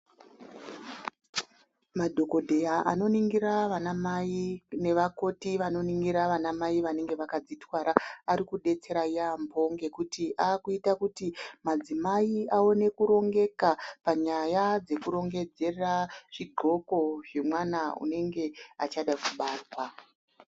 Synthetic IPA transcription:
madʱo̞ko̞dʱe̞jaʔano̞niŋɡiɾaʋanamaine̞ʋako̞tiʋano̞niŋɡiɾaʋanamaiʋane̞ŋɡe̞ʋakad͡zitwaɾaaɾikuɗe̞t͡se̞ɾajambʱo̞ŋɡe̞kutiʔaːkuitakutimad͡zimaiao̞ne̞kuɾo̞ŋɡe̞kapaɲajad͡ze̞kuɾo̞ŋɡe̞d͡ze̞raʐ̥iɡʱo̞ko̞ʐe̞mwanaṵne̞ŋɡe̞at͡ʃaɗakuɓaːrwa

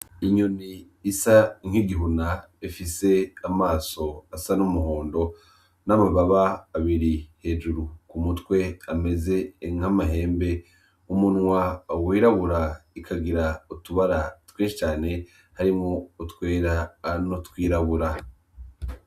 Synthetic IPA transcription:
iɲoniː | saŋ̥iɡiɦuna | efise̞amaːso̞asanumuɦo̞ːndo̞ | namaβaβaːβiɾihe̞ːʒuɾukumutwe̞ame̞ze̞ŋ̥amaɦe̞ːmbe̞ | umunŋwawiːɾaβuɾaikʰaɡiɾautuβaɾatweːʃit͡ʃaːne̞ | haɾimŋo̞utwe̞ːɾanotwiːɾaβuɾa

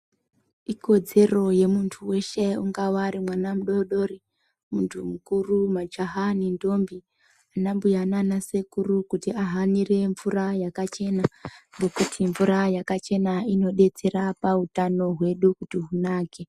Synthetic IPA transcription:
iko̞d͡ze̞ro̞je̞muntʰuwe̞ʃe̞uŋɡawaɾimwanam̩uɗo̞ɗo̞ri | muntʰumukurumad͡ʒaɦanindo̞mbi | anambujananase̞kurukutiaɦanire̞ɱvurajakat͡ʃe̞naŋɡe̞kutʰiɱvuɾajakat͡ʃe̞naino̞ɗe̞t͡se̞ɾapautano̞ɦwe̞ɗukutiɦunaːke̞

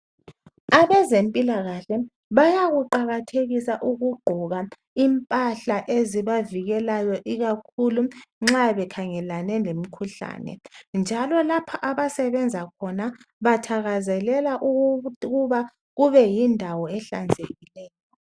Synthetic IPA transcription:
aβɛzempʼilaɣaɬɛ | βajaɣuǃaɣatʰeɣisaʔuɣuɡ͡ǃʱuɣa | impʼaɬaʔeziβaviɣɛlajɔʔiɣakʰuluŋ͡ǁaβɛkʰaŋɛlanɛnem̩kʰuɬa̰ːnɛ̰nd͡ʒʱalɔlapʰaʔaβasɛβɛnd͡zʱakʰɔnaβatʰaɣazɛlɛlaʔuɣuβa | ɣuβɛjindʱawɔɛɬa̰nd͡zʱeɣilɛːjɔ

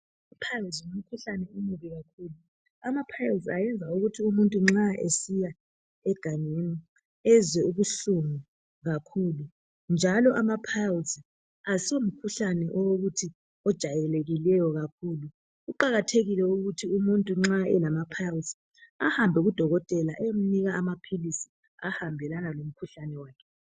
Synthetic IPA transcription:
ipʰazum̩kʰuɬanɛimuβiɣakʰuːlu | amapʰajlzajɛnd͡zʱauɣutʰiumuntʼuŋ͡ǁaʔḛsija | ɛɡ̥ʱaɲeni | ɛzwɛuβuɬuŋu | ɣakʰuːlu | nd͡ʒʱalɔʔamapʰazi | asom̩kʰuɬanɛʔɔwoɣutʰi | ɔd̥ʒ̥ʱajɛleɣilɛjɔɣakʰuːlu | ɣuǃaɣatʰeɣilɛuɣutʰiumuntʼuŋ͡ǁaɛ̰lamapʰawzi | ahambʱɛɣud̥ʱɔɣɔtʼɛlaʔem̩niɣaamapʰilisi̥ | ahambʱɛlanalom̩kʰuɬanɛwaːkʰɛ

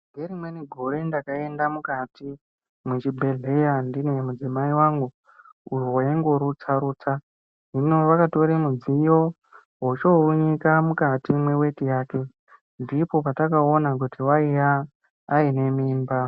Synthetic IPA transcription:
ŋɡeɾimweniɡʱoɾe̞ndakae̞ndamukati | mwut͡ʃibʱe̞ɮe̞jandine̞mud͡zimaiwaŋɡu | ujowojeŋɡo̞ɾut͡saɾuːt͡sa | ʐino̞ʋakato̞ɾemud͡zijo̞ | ɦot͡ʃouɲikamukatimwe̞we̞tijaːke̞ | ndipo̞patakao̞nak̬utiwaijaː | ine̞miːmba

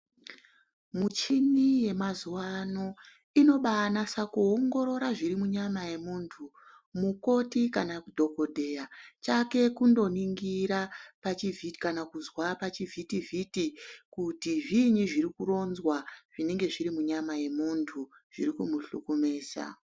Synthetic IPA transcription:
mut͡ʃinije̞mazuwano̞ | ino̞ɓanasakuoŋɡo̞ɾo̞ɾaʐirimuɲamaje̞muntʰu | muko̞tikanakudʱo̞ko̞dʱe̞jat͡ʃake̞kundo̞niŋɡiɾapat͡ʃivʱiti̥kanakuzwapat͡ʃivʱitivʱitikutiʐiɲiʐiɾikuro̞nzwaʐ̥ine̞ŋɡe̞ʐiɾimuɲamaje̞muntʰu | ʐ̥ḭɾikumuɬukumeːsa̰

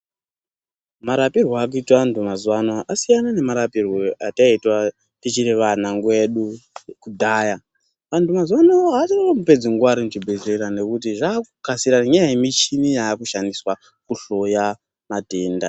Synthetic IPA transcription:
maɾapirwaakuitwantʰumazwanaʔasijanane̞maɾapirwoataitwa | tit͡ʃiɾeʋanaŋɡwe̞ɗukudʱaːja | ʋantʰumazwanaoɦatinoomupe̞d͡ziŋɡuwaɾimuʐibʱezeɾane̞kut̬iʐaːkukasiɾaɲajajemit͡ʃinijaːkuʃandiswa | kuɬo̞ja | mateːnda̰

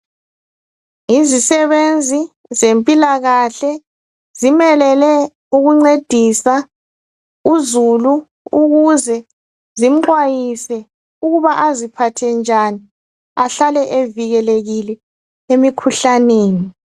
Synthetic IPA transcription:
izisɛβend͡zʱi | zempʼilaɣaɬɛ | zimɛlɛlɛ | uɣuŋ͡ǀed̥ʱisa | uzulu | uɣuzɛ | zim̩ŋ͡ǃwajisɛ | uɣuβaʔazipʰatʰɛnd͡ʒʱani | aɬalɛʔeviɣɛleɣilɛ | emikʰuɬaneːni

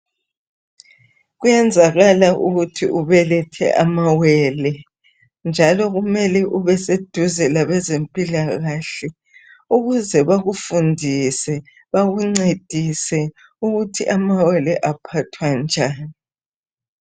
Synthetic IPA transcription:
ɣujɛnd͡zʱaɣalaʔṵɣutʰḭuβɛlɛtʰɛ̰ʔamawɛlɛ | nd͡ʒʱalɔɣumɛlɛʔuβɛsed̥ʱuzɛlaβɛzempʼilaɣaɬɛ | uɣuzɛβaɣufundʱisɛ | βaɣuŋ͡ǀed̥ʱisɛ | uɣutʰḭʔamawɛlɛʔapʰatʰwand͡ʒʱaːni

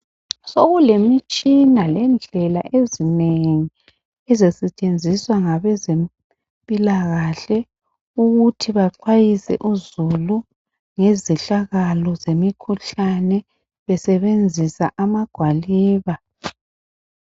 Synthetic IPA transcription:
soɣulemit͡ʃʼinalɛnd͡ɮʱɛla̰ʔezineŋi | ɛzɛsɛt͡ʃʼend͡zʱiswaŋaβɛzem | pʼilaɣaɬɛ | uɣutʰiβaǃwajisɛ̰ʔuzulu | ŋezɛɬaɣalɔzemikʰuɬanɛ | βɛsɛβend͡zʱisa̰ʔamaɡ̥ʱwaliːβa

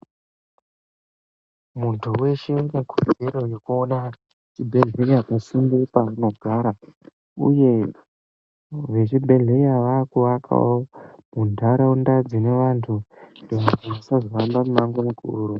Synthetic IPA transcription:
muntʰuwe̞ʃeunekʰud͡zeɾo̞jo̞kuo̞na | t͡ʃibʱe̞ɮe̞iakasimbipamadʱwaɾa | ṵje̞ | ʋe̞t͡ʃibʱe̞ɮeɾiaʋakuwakʰa̰womundʱaɾaundad͡zine̞ʋantʰundoʋaɡaʋasazoʋambamumaŋɡomukʰʼuːru

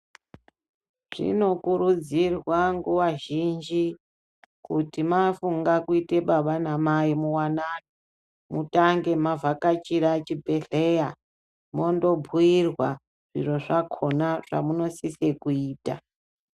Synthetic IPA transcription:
ʐ̥ḭno̞kuɾud͡zirwaŋɡuwaʒind͡ʒi | kutimafuŋɡakuite̞ɓaɓanamaimuwanani | mutaŋɡe̞mavʱakat͡ʃiɾat͡ʃibʱe̞ɬeja | mo̞ndo̞bʱuirwa | ʐ̥ḭro̞ʐakʰo̞naʐ̥a̰muno̞sise̞kuiːta̰

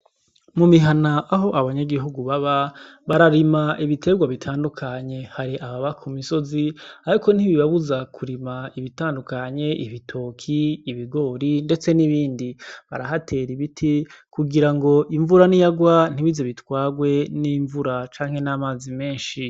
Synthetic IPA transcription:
mumiɦanaaɦo̞ʔaβaɲaɡiɦuɡuβaβaβaɾaɾimaʔiβite̞ɡwaβitʰaːndukʰaɲe̞haɾiʔaβaβakʰumiso̞ziaɾiko̞n̥iβiβaβuzakʰuɾimaiβitaːndukaɲe̞ʔiβitʰo̞ːkʰiːβiɡo̞ːɾinde̞t͡se̞niβiːndiβa̰ɾaɦatʰe̞ɾiβitʰikuɡiɾaŋɡo̞ʔiɱvuɾanijaɡwan̥iβizeβitwaːɡwe̞niːɱvuɾat͡ʃaːŋhe̞naːmaːzime̞ːnʃi

